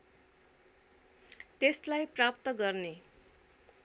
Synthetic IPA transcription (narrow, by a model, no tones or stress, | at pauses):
t̪eslajprap̚t̪ʌɡʌrne